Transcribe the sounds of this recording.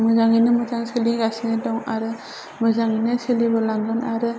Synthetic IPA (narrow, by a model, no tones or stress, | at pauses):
mɯzaŋinɯmɯzaŋsɯliɡasinedɔŋaɾɯ | mɯzaŋinɯsɯlibɔlaŋɡɯnaɾɯ